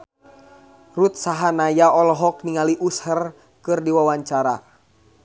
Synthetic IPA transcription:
rut̪̚saɦanajaɔlɔɦɔk̚niŋaliʔushər | kɨrdiwawaɲt͡ʃaɾa̰

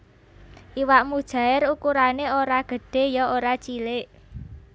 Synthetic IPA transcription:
ʔiwaʔmud̥ʒ̥a̤ɪɾukuɾaneoɾaɡ̥ə̤ɖ̥e̤jɔoɾat͡ʃilɪʔ

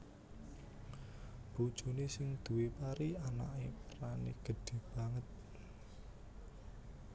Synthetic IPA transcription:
b̥ud̥ʒ̥ṳnesɪŋd̪̥ṳwepaɾiana̰ʔepɾanḛɡ̥ə̤ɖ̥e̤b̥a̤ŋət̪̚

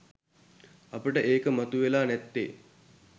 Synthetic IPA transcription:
apəʈəʔeːkəmat̪uʋelaːnɛt̪ːḛː

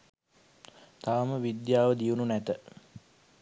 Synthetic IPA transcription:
t̪aʋəməʋid̪jaːʋəd̪iununæt̪ə

